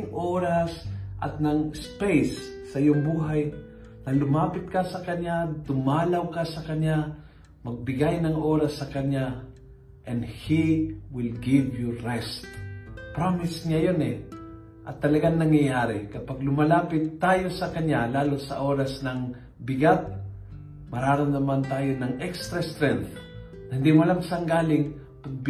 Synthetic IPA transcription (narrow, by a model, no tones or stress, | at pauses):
ŋʔoːɾasʔɐ̰t̪̚nɐŋspejsːɐʔɪjoŋbuːɦaj | nɐlʊmaːpɪt̪̚kasɐkɐɲat̪ʊmaːlawkasɐkɐɲa | mɐɡ̚bɪɡajnɐŋʔoːɾasːɐkɐɲa | ʔɛnd̪hiwɪlɡɪvjuɾɛst̪pɾamɪsɲajonɛ | ʔɐt̪ːɐlɐɡaŋnnɐŋjɐjaːɾɪkɐpaɡ̚lʊmɐlaːpɪt̪ːaːjosɐkɐɲjalaːlosɐ̰ʔoːɾasnɐŋ | bɪɡat̪̚ | mɐɾaːɾomnɐmant̪aːjonɐŋɛkst̪ɾɐst̪ɾɛnθ | nɐhɪnd̪imlamsaŋɡaːlɪŋ | paɡ̚b